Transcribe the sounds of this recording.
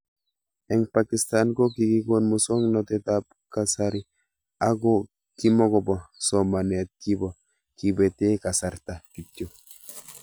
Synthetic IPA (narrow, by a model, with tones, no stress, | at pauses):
ɛ˨ŋpaki˨st̪a˦nko˦ki˨ɡi˦ɡo˦nmu˨so˦ŋno˨t̪e˨t̪ap | ka˨saɾi | a˦ɡo˦ | ki˦mo˦ɡo˨bɔ˨so˨ma˨ne˨t̪̚ki˦bo˨ | ki˨be˨t̪e˦ka˨sa˨ɾt̪a˨ki˨tjo˨